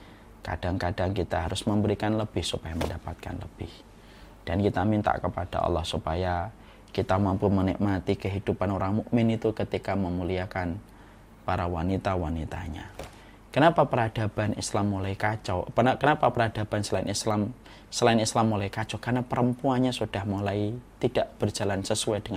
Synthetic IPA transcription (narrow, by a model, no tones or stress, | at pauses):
ka̰d̥aŋkad̥aŋkit̪aɦaɾʊsməmbəɾikanləb̥ɪhsupajaməndapat̪̚ka̰nləb̥ɪh | d̥ankit̪amint̪a̰ʔkəpad̥a̰ʔɑ̰lːɔhsupaja | kit̪amampumənɪ̰kmat̪ikəɦid̥upanoɾaŋmuʔmɪnit̪ukət̪ikaməmuliakan | paɾawanit̪awanit̪a̰ɲa̰ | kənapapəɾad̥ab̥anʔḭslamːulaikat͡ʃawpənakənapapəɾad̥a̤b̥ansəlaɪnislam | səlaɪnislamːulaikat͡ʃɔkarnapəɾəmpuanɲasud̥ahmulait̪id̥aʔb̥ərd͡ʒa̤lansəsuɛd̥əŋ